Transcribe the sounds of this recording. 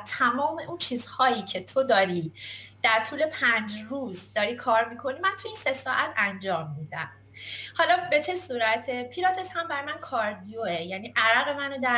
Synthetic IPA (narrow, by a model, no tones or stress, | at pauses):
t̪ʰæmɒːme̞ʔunt͡ʃʰiːzhɒːjiːcʰe̞t̪ʰod̪ɒːɾiːd̪̥æɾt̪ʰuːle̞pʰænd͡ʒruːzd̪ɒːɾiːkʰɒːɾmikʰo̞nimænt̪ʰujinse̞sɒːʔæt̪ʰænd͡ʒɒːmːiːd̪æm | hɒlɒbe̞t͡ʃʰe̞suːɾæt̪ʰepʰiːɾɒːt̪ʰeshæmbæɾɒjmænkʰɒɾd̪ijoejæniːʔæɾæɣe̞mænod̪æ